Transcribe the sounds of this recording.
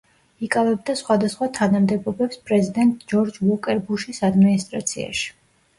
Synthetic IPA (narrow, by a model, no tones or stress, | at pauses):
ikʼavɛb̚d̪asχwad̪asχwat̪ʰanamd̪ɛbɔbɛpspʼɾɛzid̪ɛnt̪ʼd͡ʒɔɾd͡ʒvɔkʼɛɾbuʃisad̪minist̪ʼɾa̰t̪sʰia̰ʃi̥